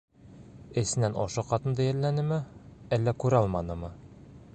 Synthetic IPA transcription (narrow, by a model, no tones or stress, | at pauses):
ɘ̆sɘ̆nænɒʃɤqɑt̪ɤ̆nd̪ɑjæɾlænɘmɘælːækʉɾɑlˠmɑnɤmɤ